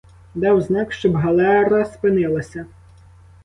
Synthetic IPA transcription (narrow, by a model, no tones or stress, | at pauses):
d̪ɑwznɑkʃt͡ʃɔbɦɐlˠɛɾɐspɪnɪlˠɐsʲɐ